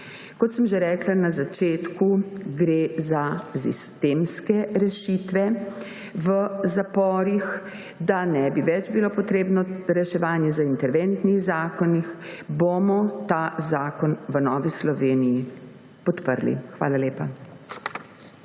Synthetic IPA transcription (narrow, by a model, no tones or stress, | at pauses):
kɔt̪səmʒeɾɛːklanazat͡ʃeːt̪kuɡɾeːzasḭst̪eːmskɛɾɛʃit̪ʋɛ | ʋəzapɔːɾix | d̪anɛbiʋɛd͡ʒbilopɔt̪ɾeːbnɔɾɛʃɛʋaːnjɛzaint̪ɛɾʋent̪nixzaːkɔnixbomɔt̪azaːkɔnʋənɔːʋislɔʋeːniji | pɔt̪pəɾlḭxʋaːlaleːpa